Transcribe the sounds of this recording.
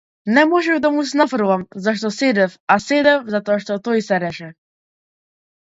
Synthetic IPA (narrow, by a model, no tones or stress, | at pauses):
nɛmɔʒɛvd̪amusnafɾuvamzaʃ̬t̪ɔsɛd̪ɛfasɛd̪ɛfzat̪ɔaʃt̪ɔt̪ɔjsɛɾɛʃɛ